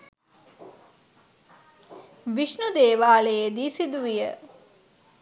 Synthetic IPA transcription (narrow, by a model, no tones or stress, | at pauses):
ʋiʃnud̪eːʋaːlejed̪iːsid̪uʋijə